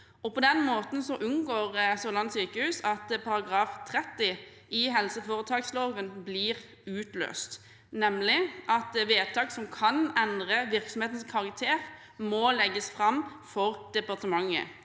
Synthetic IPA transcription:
ɔpʰɔd̪ɛnmoːt̪n̩sɔʔʉnɡoːʁsolɑnsyːkəhʉːsɑt̪pʰɑɾɑɡʁɑːft̪ʰʁɛt̪ːɪ | ɪɦɛlsəfoːʁət̪ʰɑːksloːʋənblɪʁ | ʉːt̪lø̰ːst̪ | nɛmlɪʔɑt̪ʋeːt̪ʰɑːksɔmkʰɑnɛnd̪ʁəʋɪʁksɔm̩eːt̪nskʰɑʁɑk̚t̪ʰeːʁ | mɔlɛɡːəsfʁɑmfɔʁd̪̥ɛpɑʁt̪əmɑŋːə̰

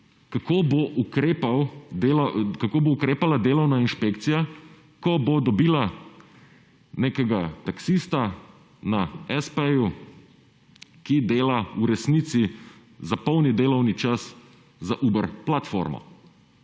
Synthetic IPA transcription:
kakoːboʔukɾepawd̪eːlkakoːboukɾeːpalad̪eːlɔwnainʃpeːkt̪sija | kɔbod̪ɔbiːla | neːkɛɡat̪aksist̪a | naɛspɛju | kid̪eːlauɾɛsnit̪si | zapɔwnid̪eːlɔwnit͡ʃas | zaʔuːbəɾplat̪fo̰ɾmɔ̰

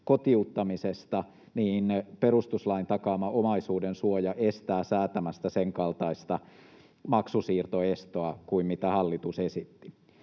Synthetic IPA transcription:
kot̪iut̪ːɑmisest̪ɑ | niːnperust̪uslɑint̪ɑkɑːmɑʔomɑisuːdensuojɑʔest̪æːsæːt̪æmæst̪æseŋkɑlt̪ɑist̪ɑ | mɑksusiːrt̪oest̪oɑkuimmit̪æhɑlːit̪usesit̪ːi

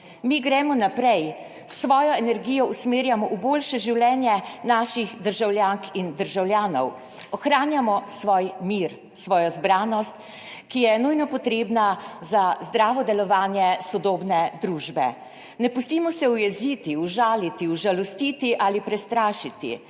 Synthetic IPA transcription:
miɡɾɛmɔnapɾɛj | sʋɔːjɔɛnɛɾɡiːjɔusmeːɾjamɔʔuboːlʃɛʒiwlɛːnjɛnaːʃiɣd̪əɾʒawlʲjaːŋkind̪əɾʒawlʲjaːnɔw | ɔxɾaːnjamɔsʋɔːjmiːɾ | sʋɔːjɔzbɾaːnɔst̪ | kijɛnujnɔpɔt̪ɾeːbnazazd̪ɾaːʋɔd̪ɛlɔʋaːnjɛsɔd̪oːbnɛd̪ɾuːʒbɛ̰ | nɛpust̪iːmɔsɛujɛzit̪iuʒaːlit̪iuʒalɔst̪iːt̪iʔalipɾɛst̪ɾaːʃit̪ḭ

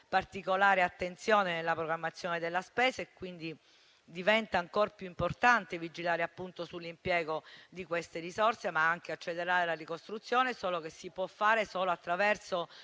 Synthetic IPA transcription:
part̪ikolaːɾeat̪ːent̪sjoːnenelːapɾoɡɾamːat̪sːjoːned̪elːaspɛːzaekːwind̪i | d̪ivɛnt̪aːŋkoːɾpjuimport̪ant̪evid͡ʒilaːɾeapːunt̪osulːimpjɛːɡod̪ikwest̪erizɔrsemaaŋkeat͡ʃːelːeɾaːɾelarikost̪ɾut̪sːjoːnesoːlokesːipwɔfːaːɾesoːloat̪ːɾavɛrso

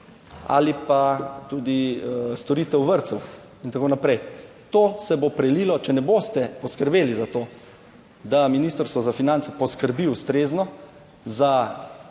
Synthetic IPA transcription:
a̰lipat̪uːd̪ist̪ɔɾiːt̪ɛwʋəɾt̪sɛw | int̪akoːnapɾɛj | t̪oːsɛbopɾɛlilɔt͡ʃɛnɛboːst̪ɛpɔskəɾbeːlizat̪oː | d̪aminiːst̪əɾst̪ʋɔzafinantsɛpɔskəɾbiust̪ɾeːznɔ | za

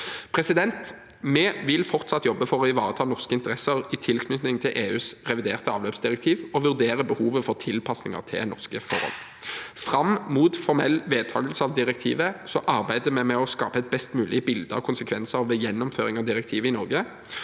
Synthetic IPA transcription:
pʰʁɛsɪd̪ɛnt̪ | mɛʋɪlfɔʁt̪sɑt̪ːjɔbːəfɔʁɔɪʋɑ̰ːʁət̪ʰɑːnɔʁskəɪnt̪əʁɛsəʁɪt̪ʰɪlkʰnʏt̪nɪŋt̪ʰɪlʔeːʉːsʁɛʋɪd̪eːʁt̪əɑːʋløːpsd̪ɪʁɛk̚t̪ʰiːʋɔʋʉʁd̪eːʁəbəhuːʋəfɔʁt̪ʰɪlpʰɑsnɪŋə̰ʁt̪ʰɪ̰nɔʁskəfɔʁɔ̰n | fʁɑmmuːt̪fɔʁmɛlːʋeːd̪̚t̪ʰɑ̰ːɡəlsəɑʋd̪ɪʁɛk̚t̪ʰḭːʋəsɔʔɑʁbæɪd̪əmɛmɛɔskɑ̰ːpəɛt̪̚bɛst̪mʉːlɪəbɪld̪əɔkʰʊnsəkʰʋɛnsəʁɔʋɛjɛnːɔmføːʁɪŋɑʋd̪ɪʁɛk̚t̪ʰiːʋəɪnɔʁɡə

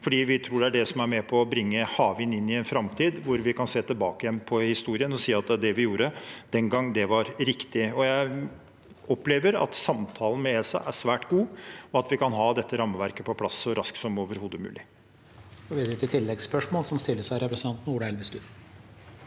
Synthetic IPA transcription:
fɔɖiːʋɪt̪ʰɾuːɖɛæɖɛsɔmæɾmɛpʰɔːbɾɪŋːəhɑːʋɪnɪnːɪɛnfɾɑmt̪ʰiːd̪ʋʊɾʋɪkʰɑnseːt̪ʰɪlbɑːkəjɛnːpʰɔhɪst̪uːɾɪənɔsiːɑt̪̚d̪ɛæd̪ɛʋɪjuːɾəd̪̥ɛŋɡɑŋːd̪ɛʋɑɾɾɪkt̪ɪɔjæɪ | ɔpleːʋəɾɑ̰t̪sɑmt̪ʰɑːlən̩mɛeːsɑ̰ʔæʂʋæːʈɡuːɔɑt̪ʋɪkɑnɦɑːd̪ɛt̪ːəɾɑmːəʋæɾkəpʰɔpʰlɑsːɔɾɑsk̪sɔmoːʋəɾhuːd̪əmʉ̰ːlɪ | oːʋiːd̪ɾət̪ʰɪlt̪ʰɪlːɛɡspœʂmoːlsɔmst̪ɪlːəʂæɪɾɛpɾsənt̪ɑnt̪n̩uːɖəɛlʋəsk̪ʉːd̪

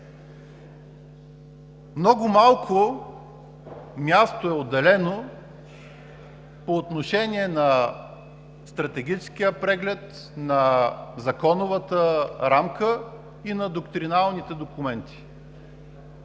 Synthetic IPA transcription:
mnɔɡʊmalˠkʰʊ | mʲjast̪oɛod̪ːɛlɛno | poːt̪noʃɛnʲiɛnɐ | st̪ɾɐt̪ɛɡʲit͡ʃskijəpɾɛɡlɛt̪ | nɐzɐkɔnʊvət̪əɾamkə | inɐd̪okt̪ɾinalˠnit̪ɛd̪okʊmɛnt̪ʰi̥

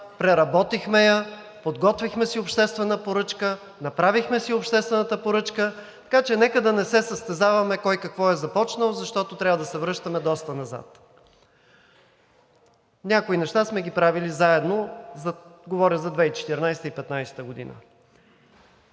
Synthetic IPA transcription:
pɾɛɾɐbɔt̪ixmɛjə | pod̪ɡɔt̪vixmɛsiopʃt̪ɛst̪vɛnəpoɾɤt͡ʃkə | nɐpɾavixmɛsiopʃt̪ɛst̪vɛnət̪əpoɾɤt͡ʃkə | t̪ɐ̥kat͡ʃɛnɛkəd̪ɐnɛsɛsəst̪ɛzavɐmɛkɔjkɐkvɔɛzɐpɔt͡ʃnəlˠozɐʃt̪ɔt̪ot̪ɾʲavəd̪ɐsɛvɾɤʃt̪əmɛd̪ɔst̪ənɐza̰t̪ | nʲakoinɛʃt̪asmɛɡipɾavilizaɛd̪nozɡovɔɾʲəzɐd̪vɛit͡ʃɛ̥t̪ɛɾnajsɛt̪əipɛt̪najsɛ̥t̪əɡod̪ḭnə̰

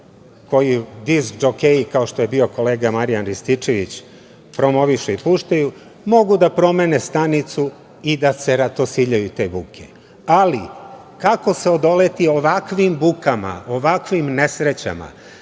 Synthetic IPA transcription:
ko̞jid̪izɡd͡ʒokejikao̞ʃt̪oje̞bio̞ko̞le̞ːɡamaɾijanɾist̪it͡ʃeʋit͡ɕ | pɾo̞mo̞ʋiʃeipuːʃt̪aju | mo̞ɡud̪apɾo̞me̞nest̪anit̪su | id̪ase̞ɾat̪o̞siʎajut̪e̞ːbukʰe | ali | kako̞seo̞d̪o̞le̞t̪io̞ʋakʋimbukama̰oʋakʋimne̞sɾet͡ɕa̰ma̰

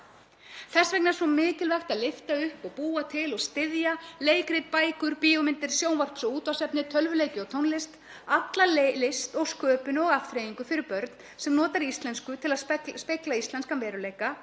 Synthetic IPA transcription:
θɛsvɛknasɔmɪːcɪlvɛxt̪aðlɪft̪aʏhpɔɣpuːat̪ʰɪlɔɣst̪ɪðjaleːjkɾɪt̪̚paːjkʏɾpiːɔmɪnt̪ɪɾ̥sjoːwnvar̥psʏuːt̪vawsɛpnɪt̪ʰœlvʏleːjcɪɔt̪ʰownlɪst̪ | at̪lallɪst̪ɔɣskœːpʏnɔɣaft̪ɾeːjiŋkʏfɪɾɪɾpœɾt̪n̥ | sɛmnɔːt̪aɾiist̪lɛnskʏt̪ʰɪlaðspɪklaist̪lɛnskanvɛːɾʏleːjka

